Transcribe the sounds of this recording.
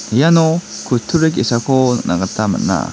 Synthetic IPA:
janokɯt̪ʰːuɾek̬esakona̰ɡat̪ːama̰nːa̰

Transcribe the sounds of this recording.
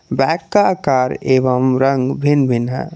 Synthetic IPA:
bɛːkːakaːɾeːʋəmɾə̃ŋɡbʱinbʱinɦɛ̰

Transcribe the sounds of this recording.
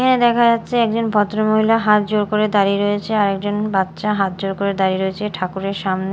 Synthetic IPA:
kʰaned̪ɛkʰad͡ʑatːɕʰeɛk̚d͡ʑonpɔt̪ːɾomoɦilaɦat̪̚d͡ʑoɾkoɾed̪aɾiɾoet͡ɕʰeaɾɛk̚d͡ʑonbat̪ːʃaɦat̪̚d͡ʑoɾkoɾed̪aɾiɾoet͡ɕʰeʈʰakuɾeɾʃamne

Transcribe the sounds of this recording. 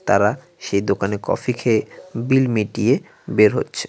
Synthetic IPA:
t̪a̰ɾa | ʃejd̪okanekɔ̰fikʰebilmiʈie | beɾɦo̰tːɕʰe̥

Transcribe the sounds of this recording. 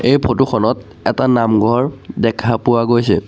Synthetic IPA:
ejpʰotuxʰɔnɔt | ɛtanamɡʱɔɹdɛkʰapʊwaɡojsɛ̰

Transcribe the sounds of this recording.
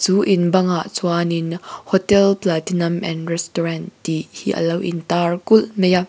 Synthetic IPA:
t͡suːʔinbɐŋaʔt͡suaninhɔtɛlplaːtinɐmʔɛ̰nrɛstɔɹand̥ihiʔə̰lɐwʔḭnt̪aːrkulmɛja

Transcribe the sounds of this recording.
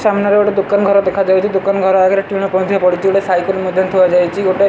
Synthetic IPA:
samnaɾeoʈed̪ukanɡʱɔɾɔd̪ekʰad͡ʒajt͡ʃʰid̪ukanɡʱɔɾɔaɡeɾeʈunɔpɔ̃nd̪ʱjapɔɽit͡ʃʰioʈesajklmod̪ʱjɔnt̪ʰuad͡ʒajt͡ʃʰioʈe

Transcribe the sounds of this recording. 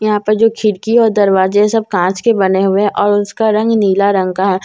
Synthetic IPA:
jɐɦãpɐɾd͡ʒoːkʰɪɽkiɔːɾd̪ɐɾʋaːzeɦɛ̃sɐb̚kãːt͡ʃkebɐneɦʊeɦɛ̃ʔɔːɾʊskaɾɐ̃ŋɡniːlaɾɐ̃ŋɡkaɦɛː

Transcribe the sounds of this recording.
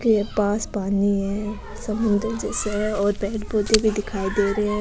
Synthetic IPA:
kiepaːspaːniɦɛ̃ː | sɐmʊnd̪əɾd͡ʒɛːseɛɔːɾbɛːʈboːt̪ebʱid̪ɪkʰaːid̪eːɾəɦeɛ̃

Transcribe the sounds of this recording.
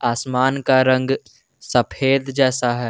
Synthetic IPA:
aːsmaːnkaɾə̃ŋɡ | səpʰeːd̪d͡ʒɛːsaɦɛː

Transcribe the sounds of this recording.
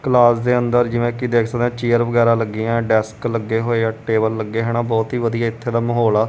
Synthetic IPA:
kəlaːsd̪eːənd̪əɾd͡ʒɪʋẽːkid̪eːkʰsəkd̪ɛ̃ːt͡ʃiːəɾʋəɡɛːɾãːləɡːiːãːɖɛːskləɡːeːɦoːeːaːʈeːbəlːəɡːeːɦeːɽ̃ãːbɔːt̪ɦiːʋəd̪ijaːɪt̪ʰːeːd̪aːməɦoːlaː

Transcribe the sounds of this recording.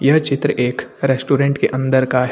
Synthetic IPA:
jɐɦt͡ʃɪt̪ɾəʔeːkɾɛsʈuːɾẽːɳʈkeʔɐ̃nd̪əɾkaɦ

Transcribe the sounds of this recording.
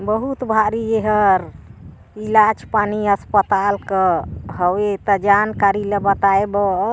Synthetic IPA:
bəɦut̪bʱaɾieɦəɾ | ilad͡ʒpaniəspət̪alkəɦəwet̪əd͡ʒankaɾiləbət̪aebə

